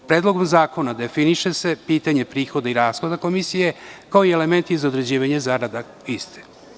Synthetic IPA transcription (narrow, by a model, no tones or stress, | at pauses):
pɾeːd̪lˠoɡomzaːko̞nad̪e̞finiʃe̞sepiːt̪aɲe̞pɾiːxo̞d̪aiɾaːsxod̪ako̞misije̞kaoieleme̞nt̪izaod̪ɾe̞d͡ʑiːʋaɲe̞zaɾad̪a | ist̪e̥